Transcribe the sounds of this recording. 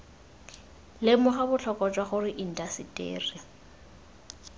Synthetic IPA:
lɪmʊχabʊɬʰɔkʼɔt͡ʃʼwaχʊrɪʔin̩tʼasitʼḛːrɪ

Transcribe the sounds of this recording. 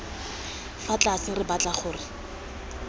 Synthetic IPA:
fat͡ɬʼasɪrɪbat͡ɬaχʊːrɪ

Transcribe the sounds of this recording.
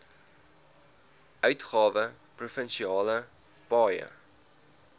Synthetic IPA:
ʔœɥtχɑːvə | prufənʃiɑːlə | pɑːjə̰

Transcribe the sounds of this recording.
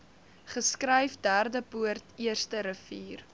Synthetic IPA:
χəskrəjfdæːrdəpuərtiərstəɾəfiːr

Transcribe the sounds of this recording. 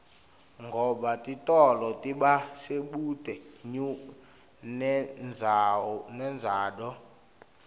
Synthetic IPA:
ŋɡʱɔɓatʼitʼɔlɔtʼiɓaseɓutʼɛɲu | nɛnd͡zʱanɛnd͡zʱaːɗɔ

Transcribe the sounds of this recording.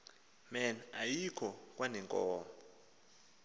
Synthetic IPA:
mɛnajikʰɔk̬ʼwanɛŋkʼɔːmɔ

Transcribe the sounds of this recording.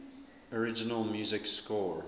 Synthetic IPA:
əɹɪd͡ʒɪnəlˠmjʉːzɪkskɔɹ

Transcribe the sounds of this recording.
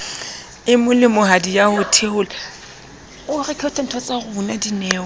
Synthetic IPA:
ɪmʊlɪmʊɦadijaʊtʰeʊl | ʊrɪkʰeʊtʰan̩tʰɔt͡sʼaɣʊunadinɛːɔ

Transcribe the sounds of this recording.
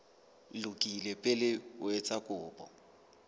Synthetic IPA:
lʊkʼilɛpʼɛlɪwɛt͡sʼakʼʊːpʼɔ̰

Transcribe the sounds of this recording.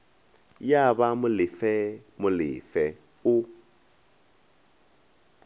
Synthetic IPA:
jaβamʊlɪfɛmʊlɪ̰fɛ | ʊ

